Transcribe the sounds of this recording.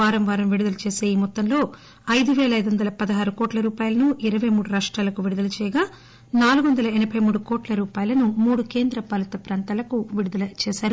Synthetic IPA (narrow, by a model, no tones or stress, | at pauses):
aːɾɐmʋaːɾɐmʋiɽud̪ɐlɐt͡ʃeːseːjimɔt̪ːɐnlo̞ː | ɐjd̪uʋɛːlɐjd̪uʋɐnd̪ɐlɐpɐd̪ɐɦaːɾukɔːʈlɐɾuːpaːjɐlɐnuʔiɾɐʋɐjmuːɽuɾaːʂʈɾaːlɐkuʋiɽud̪ɐlɐt͡ʃɛːjɐɡaː | naːluɡʋɐnd̪ɐlɐɛnɐbʰʱɐjmuːɽukɔːʈlɐɾuːpaːjɐlɐnumuːɽuke̞ːnd̪ɾɐpɐlɐt̪ɐpɾaːnt̪aːlɐkuʋiɽud̪ɐlɐt͡ʃɛːsaːɾu